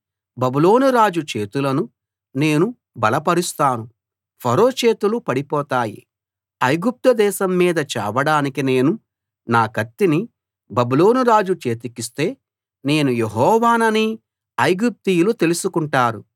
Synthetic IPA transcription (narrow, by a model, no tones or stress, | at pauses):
bɐbulo̞ːnuɾaːd͡ʒut͡ʃe̞ːt̪ulɐnu | ne̞ːnu | bɐlɐpɐɾist̪aːnu | pʰɐɾo̞ːt͡ʃe̞ːt̪ulupɐɽipɔːt̪aːjḭ | ɐjɡup̚t̪ɐd̪ɛːʃɐmːiːd̪ɐt͡ʃɛ̰ːʋɐɽaːnikine̞ːnu | naːkɐt̪ːini | bɐbulo̞ːnuɾaːd͡ʒut͡ʃe̞ːt̪ikist̪e̞ː | ne̞ːnujeɦɔːʋaːnɐni | ɐjɡup̚t̪ijulut̪elusukuɳʈaːɾu